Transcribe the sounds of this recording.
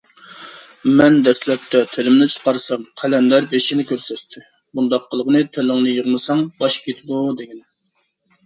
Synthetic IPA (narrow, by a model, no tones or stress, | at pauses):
mɛnd̪ɛslɛp̚t̪ʰɛt̪ʰɪlɪmnɪt͡ʃʰə̥qɑɾsɑmqʰælɛnd̪ɑɾbeʃinɪkʲøɾsɛt̪t̪ʰɪ | bund̪ɑqːəlˠəʁnɨt̪ʰelɪŋnɨjəʁmɨsɑŋbɑʃkʲʰet̪ʰɪbud̪eɡʲinɪ